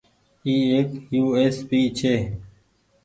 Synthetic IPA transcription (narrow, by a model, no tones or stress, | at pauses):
iːeːkjuːeːspiːt͡ɕʰeː